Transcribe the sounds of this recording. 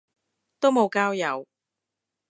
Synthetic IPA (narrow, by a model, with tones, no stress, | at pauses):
t̪o˥wmo˨˧wkaː˥wjɐ˨˧w